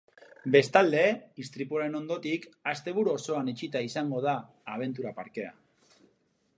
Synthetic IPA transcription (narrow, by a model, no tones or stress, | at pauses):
be̞st̪ald̪e̞ist̪ɾipuoaɾe̞no̞nd̪o̞t̪ikast̪e̞βuɾuo̞so̞anet͡ʃit̪aisaŋɡo̞ð̞aː | β̞e̞nt̪uɾapaɾke̞a̰